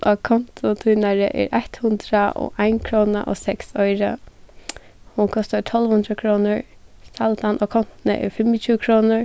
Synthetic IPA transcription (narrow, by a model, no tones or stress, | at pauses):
ʔɔkʰɔn̥t̪ʊt̪ʰuːnaɹɪʔɛ̰ɾʔaht̪hʊnd̪ɾaʔɔ̰ʔaɪnkʰɾɔːna̰ʔɔ̰sɛksɔjɾa | hʊnkʰɔst̪at̪ʰɔlʋhʊnd̪ɾakʰɾɔːnʊɹ | st̪alt̪anʔɔkʰɔn̥t̪nə̰ʔɛ̰ɹfɪmɪt͡ʃʰuːkʰɾɔːnʊɹ